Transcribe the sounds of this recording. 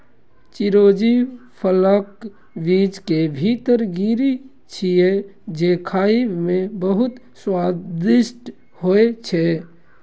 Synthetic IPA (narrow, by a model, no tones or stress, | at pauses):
t͡ʃɪɾoːd͡ʒipʰələk | ʋiːd͡ʒkebʱiːt̪əɾɡiːɾi | t͡ʃʰied͡ʒeːkʰaːimẽbəɦʊt̪ | swaːd̪ɪsʈ | hoet͡ʃʰeː